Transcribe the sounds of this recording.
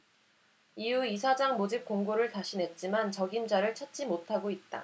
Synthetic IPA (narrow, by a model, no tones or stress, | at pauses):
iuisʰad͡ʑaŋmod͡ʑip̚k͈oŋɡoɾɯɭtaɕʰinɦe̞t̚t͡ɕ͈imant͡ɕʌɡimd͡ʑaɾɯɭt͡ɕʰʌt̚t͡ɕ͈imotʰaɡoit̚t͈a̰